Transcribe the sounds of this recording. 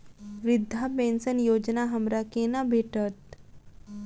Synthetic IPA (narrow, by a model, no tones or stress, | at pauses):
ʋid̪ʱapẽnsənjoːd͡ʒnaɦəmɾakenabʱeʈət̪̚